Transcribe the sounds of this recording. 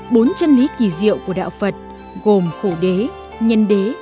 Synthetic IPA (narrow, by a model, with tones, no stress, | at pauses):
ɓo˨˦nt͡ɕə˧nli˨˦ki˧˩zḭ˧˨əwku˧˩əɗa̰ː˧˨wfə˨˩t̚ | ɣo˨˩mxo˧˩ɗe˨˦ | ɲə˧nɗe˨˦